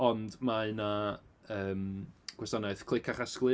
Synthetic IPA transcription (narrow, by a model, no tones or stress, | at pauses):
ɔndmaɨnaəːmɡ̥wɛsanaɨθkʰl̥ˠɪkʰaχasklˠɨ